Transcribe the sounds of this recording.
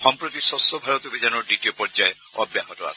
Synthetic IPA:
xɔmpɾot̪isɔsɔbʱaɾɔt̪ubʱid͡ʒanɔɾɖiʈiopɔɾd͡ʒaje | ɔ̰bjaɦɔt̪ɔa̰s

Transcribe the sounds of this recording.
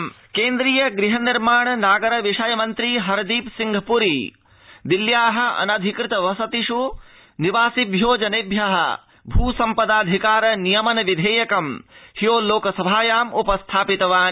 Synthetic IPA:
keːnd̪ɾiːjɐɡɾiɦɐniɾmaːɳɐnaːɡɐɾɐʋiʂɐjɐmɐnt̪ɾiɦɐɾɐd̪iːpsiŋɡʱɐpuɾi | d̪iljaːɦɐ̆ɐ̰nɐd̪ʱikɾɪt̪ɐʋɐsɐt̪iʃu | niʋaːsibʱjoːd͡ʒɐnebʱjɐɦɐ̰ | bʱuːsɐmpɐd̪aːd̪ʱikaːɾɐnijɐmɐnɐʋid̪ʱeːjɐkɐmhijoːloːkɐsɐbʱaːjaːmupɐst̪ʰaːpit̪ɐʋaːn

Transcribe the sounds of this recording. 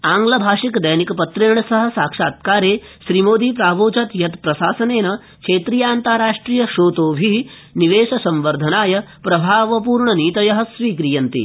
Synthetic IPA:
aːŋɡlɐbʱaːʂikɐd̪ɐjnikɐpɐt̪ɾeːɳɐsɐɦɐ̆saːkʂaːt̪kaːɾeː | ʃɾimoːd̪ʱiːpɾaːʋoːt͡ʃɐt̪jɐt̪pɾɐsaːsɐneːnɐ | kʰeːt̪ɾiːjaːnt̪aːɾaːʂʈɾiːjɐʃoːt̪oːʋʱi | niʋeːʃɐsɐ̃mʋɐɾd̪ʱɐnaːjɐpɾɐbʱaːʋɐp̬uːɾɳɐniːt̪ɐjɐɦɐsʋiːkɾijɐnt̪ḭ

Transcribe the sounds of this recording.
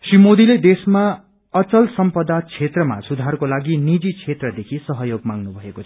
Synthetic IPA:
srimod̪iled̪esma | ʌt͡sʌlsʌmpʌd̪at͡sʰet̪rʌma̰sud̪ʱarkolaɡinid͡zit͡sʰet̪rʌd̪ekʰisʌɦʌjoɡmaŋnubʱʌekot͡sʰʌ̥

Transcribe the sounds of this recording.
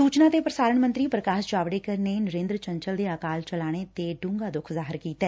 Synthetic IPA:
suːt͡ʃnaːt̪eːpɾəsaːɾəɳmə̃nt̪ɾiːpɾəkaːʃd͡ʒaːʋɽeːkəɾneːnəɾẽːnd̪ɾət͡ʃəɲt͡ʃəld̪eːaːkaːlt͡ʃəlaːɽ̃et̪eːɖũːŋɡaːd̪ʊkʰzaːɦɪɾkiːt̪ɛː

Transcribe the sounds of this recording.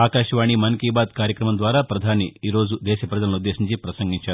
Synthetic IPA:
aːkaːʃɐʋaːɳimɐnkiːbaːd̪̚kaːɾjɐkɾɐmɐnd̪ʋaːɾaːpɾɐd̪ʱaːniiːɾo̞ːd͡ʒud̪ɛːʃɐpɾɐd͡ʒ̪ɐlɐnud̪ːeːʃiɲt͡ʃipɾɐsɐŋɡiɲt͡ʃaːɾu

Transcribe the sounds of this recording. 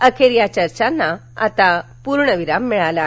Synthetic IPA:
əkʰeɾjat͡ɕəɾt͡ɕanːa | a̰t̪apuɾɳəʋiɾamːiɭala

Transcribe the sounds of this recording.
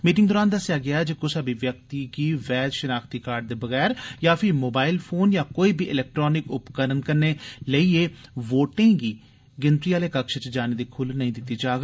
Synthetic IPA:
miːʈɪ̃ŋɡd̪oːɾaːnd̪əsjaːɡɪaːɛːd͡ʒeːkʊsaːbiːʋjək̚t̪iːɡiːʋɛːd͡ʒ̪ʃənaːkt̪iːkaːɾɖ̚d̪eːbəɣɛːɾjaːpʰɪɾmoːbaːɪlpʰoːnjaːkoːiːbiːʔɪlɛːk̚ʈɾoːnɪkʊpkəɾənkəɾneːləiːeːʋoːʈẽːɡiː | ɡɪnt̪ɾiːaːleːkəkʃət͡ʃd͡ʒaːneːd̪iːkʰʊlnəɦĩːd̪ɪt̪ːiːd͡ʒaːɡ

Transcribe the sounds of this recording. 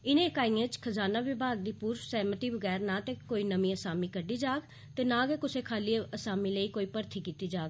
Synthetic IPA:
ɪnẽːɪkaːiːãːt͡ʃkʰəzaːnaːʋɪbʱaːɡ̚d̪iːpuːɾfsɛːmət̪iːbəɡɛːɾnaːt̪eːkoːiːnəmĩːəsaːmiːkəɖiːd͡ʒaːɡ | t̪eːnãːɡɛːkʊseːkʰaːliːəsaːmiːləiːkoːiːpəɾt̪ʰiːkiːt̪iːd͡ʒaːɡ

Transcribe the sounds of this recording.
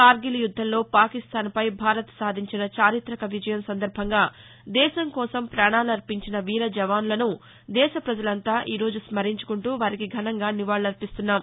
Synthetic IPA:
kaːɾɡilijud̪ʱːɐllo̞ːpaːkist̪aːnpɐjbʱaːɾɐt̪saːd̪ʱiɲt͡ʃinɐt͡ʃaːɾit̪ɾɐkɐʋid͡ʒɐjɐmsɐnd̪ɐɾbʱɐŋɡaː | d̪ɛːʃɐŋkɔːsɐmpɾaːɳaːluɐɾpiɲt͡ʃinɐʋiːɾɐd͡ʒɐʋaːnlɐnu | d̪ɛːʃɐpɾɐd͡ʒɐlɐnt̪aːʔiːɾo̞ːd͡ʒusmɐɾiɲt͡ʃu̥kuɳʈuːʋaːɾikiɡʱɐnɐŋɡaːniʋaːɭɐɾpist̪unːaːm

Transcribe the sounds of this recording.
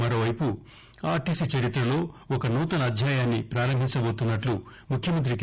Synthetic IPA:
mɐɾo̞ːʋɐjpu | aːɾʈiːsit͡ʃɐɾit̪ɾɐlo̞ːɔkɐnuːt̪ɐnɐɐd̪ʱjaːjaːnːipɾaːɾɐmbʱiɲt͡ʃɐbo̞ːt̪unːɐʈlu | mukʰjɐmɐnt̪ɾik

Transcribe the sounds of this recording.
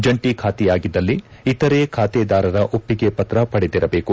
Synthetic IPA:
d͡ʒɐɳʈikʰaːt̪ijaːɡid̪ːɐlːiit̪ɐɾeːkʰaːt̪ɛd̪aːɾɐɾɐʔopːiɡe̞pɐt̪ɾɐpɐɽed̪iɾɐbe̞ːku

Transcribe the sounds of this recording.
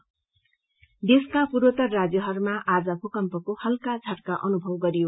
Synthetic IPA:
d̪eskapuɾot̪ʌrːad͡zjʌɦʌrmaʔad͡zʌpʰukʌmpʌkohʌlkat͡sʰʌʈkaʔʌnubʱʌwɡʌɾijo

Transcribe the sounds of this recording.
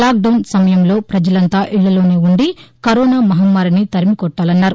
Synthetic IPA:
laːk̚ɖɐwnsɐmɐjɐmlo̞ːpɾɐd͡ʒɐlɐnt̪aːʔiɭːɐlo̞ːne̞ːuɳɖikɐɾoːnaːmɐɦɐmːaːɾinit̪ɐɾimikɔʈːaːlɐnːaːɾu

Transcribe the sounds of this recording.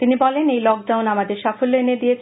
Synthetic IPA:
t̪inibɔlenejlɔk̚ɖawnamad̪eɾʃafolːoened̪ije

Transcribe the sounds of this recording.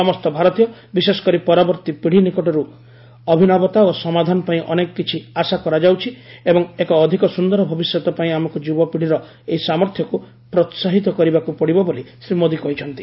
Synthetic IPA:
sɔmɔst̪ɔbʱaɾɔt̪ijɔbisesɔ̥kɔɾipɔɾabɔɾt̪ipiɽ̤inikɔʈɔɾu | ɔbʱinɔbɔt̪aosɔmad̪ʱanɔpaĩʔɔnekɔkit͡ʃʰiasakɔɾad͡ʒawt͡ʃʰiebɔŋekɔːd̪ʱikɔsund̪ɔɾɔbʱɔbisjɔt̪ɔpaĩamɔkud͡ʒubɔpiɽ̤iɾɔ | eisamɔɾt̪ʰjɔku | pɾɔt̪saɦit̪ɔkɔɾibakupɔɽibɔbolisɾimod̪ikɔɦit͡ʃʰɔn̪t̪i̥

